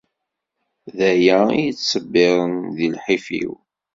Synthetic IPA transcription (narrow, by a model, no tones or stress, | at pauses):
ðæjæijət͡sːsəbːɪɾˤənðilħifḭw